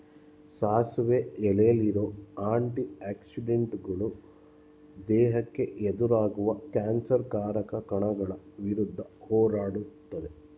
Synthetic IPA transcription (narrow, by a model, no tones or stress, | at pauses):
saːsʋeɛlejɐliɾo̞ːaːɳʈiaːksiɖeɳʈɡɐɭu | d̪ɛːɦɐkːe̞ʔed̪uɾaːɡuʋɐkaːnsɐɾkaːɾɐkɐkɐɳɐɡɐɭɐ | ʋiɾud̪ʱːɐhɔːɾaːɽut̪ːɐd̪e̞